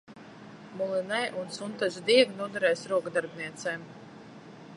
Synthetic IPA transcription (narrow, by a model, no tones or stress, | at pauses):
mulˠinɛjʔunsunt̪azd̪iɛɡnuɔd̪ɛɾɛjsɾuɔkd̪aɾbniɛt̪sɛːm